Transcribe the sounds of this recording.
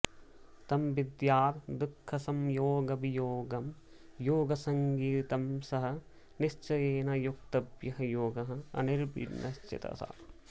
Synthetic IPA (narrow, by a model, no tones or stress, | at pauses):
t̪ɐmʋid̪jaːɾd̪ukʰːɐsɐmjoːɡɐbijoːɡɐm | joːɡɐsɐŋɡiːt̪ɐmsɐɦɐ̆ | niʃt͡ʃɐjeːnɐjuk̚t̪ɐbjɐɦɐjoːɡɐɦɐ̆ɐ̰niɾbḭɾnɐst͡ʃɪ̰t̪ɐ̰sa̰